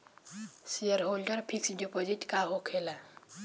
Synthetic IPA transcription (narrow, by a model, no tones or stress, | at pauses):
sijəɾɦolɖəɾpʰiksɖipoziʈkaɦokʰela